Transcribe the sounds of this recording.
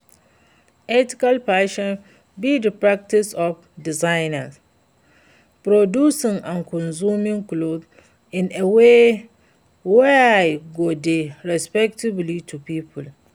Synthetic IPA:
ɛtɪ̥kalpʰaʃɔ̃n | bidəpɹak̚tɪsɔf | dizãɪna̰s | pɾodusɪ̃ŋãnkʰɔ̃nzumĩŋklod | ɪ̃neweː | wɛaɪɡodɪɹɛspɛk̚tʰiblitʰupʰipʰʊl

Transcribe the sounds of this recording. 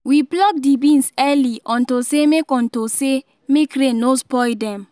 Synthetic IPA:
wiblɔk̚dibĩnsɛliɔ̃ntosemekɔ̃ntose | mekɾẽnospɔjdɛ̃m

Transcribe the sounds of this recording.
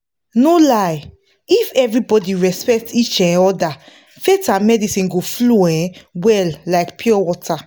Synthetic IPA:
nolaj | ifɛvɹibɔdiɹɛspɛk̚tit͡ʃɛ̃ɔda | fetamɛdisĩnɡofloɛ̃wɛlːaɪkpʰjiɔwɔtʰa

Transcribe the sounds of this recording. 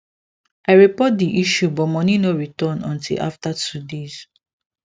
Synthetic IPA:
aɹipɔt̚diʔiʃubɔmɔ̃ninoɹitɔnɔ̰̃ntḭlʔa̰ftatudez̥

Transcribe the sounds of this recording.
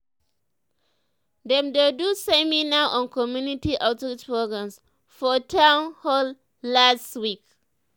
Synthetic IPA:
dɛ̃mdedusɛminaʔɔ̃nkɔmjunitiʔatɹit͡ʃpɹoɡɹãms | fɔtʰãwnhɔl | lastwik

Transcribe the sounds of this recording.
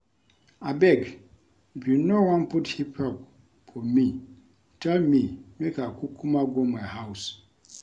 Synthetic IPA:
abɛɡ | bunowãnpʰʊthipʰap̚ | fɔmĩ | tʰɛlmĩmekakʰukʰumãɡɔmajhaws

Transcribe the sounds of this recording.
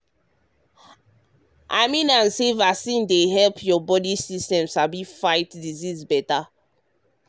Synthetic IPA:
ʔa̰ɪmĩnãnsevaksĩndeɦɛlpʰjɔbɔdisistɛ̃msabifaɪtdizizbɛta

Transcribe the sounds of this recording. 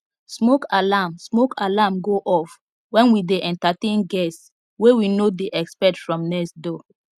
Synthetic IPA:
smokalamsmokalamɡoʔɔf | wɛ̃nwideʔɛ̃ntatẽnɡɛs | wewinodeʔɛkspɛtfɹɔ̃mnɛkstdo

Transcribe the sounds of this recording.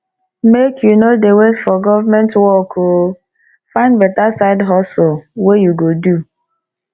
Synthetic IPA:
mekʰjunodewetfɔɡɔvamɛ̃ntwɔkʰo | fãɪ̃ndbɛtasaɪdɦɔslwejuɡodu

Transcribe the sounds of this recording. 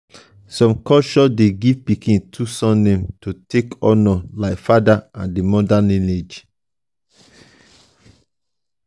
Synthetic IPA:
sɔ̃mkɔt͡ʃɔdeɡivpikĩntʰusɔ̃nːẽmtotekɔ̃nɔlaɪfadaãndemɔdanened͡ʒ

